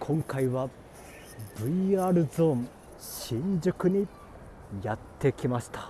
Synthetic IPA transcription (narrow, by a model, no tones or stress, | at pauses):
kʰõ̞ŋkaiβa | b̥ɯ̟iaːɾɯ̟zo̞m | ɕĩɲd͡ʑɨkɯ̟ɲ̟i | jat̪ʰːe̞kʲimaɕi̥t̪ḁ